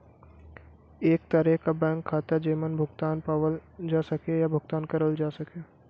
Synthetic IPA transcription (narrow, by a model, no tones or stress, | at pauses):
eːk̚t̪əɾɛkabɛ̃ːŋkʰːaːt̪ad͡ʒeːmənbʱʊɡt̪aːnpaːʋəld͡ʒaːsɐkejabʱʊɡt̪aːnkɐɾəld͡ʒaːsɐke